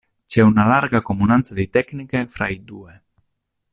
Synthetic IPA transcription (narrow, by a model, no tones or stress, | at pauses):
t͡ʃɛunalaɾɡakomunant̪sad̪ejt̪ɛknikefɾa̰jd̪ue